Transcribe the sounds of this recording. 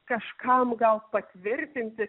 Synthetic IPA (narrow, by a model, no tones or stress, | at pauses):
kɐʃkɐmɡɐlˠpɐt̪ʲʋʲɪɾʲt̪ʲɪnʲt̪ʲɪ